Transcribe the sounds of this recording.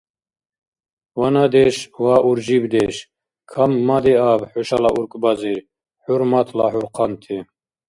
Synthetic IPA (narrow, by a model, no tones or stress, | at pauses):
wanad̪ɛʃwaʔuɾd͡ʒibd̪ɛʃ | kʰamːad̪iabħuʃalaʔuɾkʼbaziɾ | ħuɾmat̪ʰlaħuɾqʰɑnt̪ʰi